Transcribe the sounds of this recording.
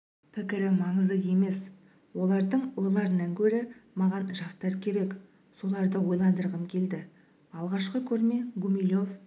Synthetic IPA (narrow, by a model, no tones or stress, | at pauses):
pʰɪkʲɪɾɪmɑɴəzəe̞me̞s | wo̞lˠɑɾd̪əɴʊlˠɑɾənɑŋkʲʰɵɾɪmɑʁɑnʒɑst̪ɑɾkʲʰe̞ɾe̞k | so̞lˠɑɾd̪əwo̞jlˠɑnd̪əɾʁəmkʲʰe̞ld̪ɪ | ɑlˠʁɑʃqəkʲʰɵɾme̞ɡumilʲo̞f